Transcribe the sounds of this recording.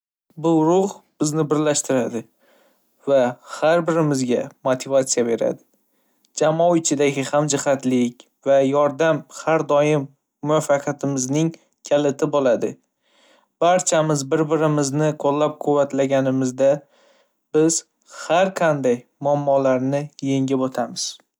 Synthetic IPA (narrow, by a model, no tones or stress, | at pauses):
bʊɾʊhb̥ɪznɪbɪɾlaʃt̪ɪɾad̪ɪ | vahaɾbɪɾɪmɪzɡʲamot̪ʰɪvat̪sijabe̞ɾa̰d̪ɪ | d͡ʒamɒwɪt͡ʃʰɪd̪aɡʲɪhamd͡ʒɪhat̪lɪkʲ | vajɒɾd̪amhaɾd̪ɒjɪmː | ʊwafːɑqʰat̪ʰɪmɪznɪŋ | kʲʰalɪt̪ʰɪbolad̪ɪ | b̥aɾt͡ʃʰamɪzbɪɾbɪɾɪmɪznɪqʰolːap̚qʰʊvːat̪laɡʲanɪmɪzd̪a | b̥ɪz̥ | haɾqʰɑnd̪ajmʊamːɒlaɾnɪje̞ŋɡʲɪbot̪ʰamɪz̥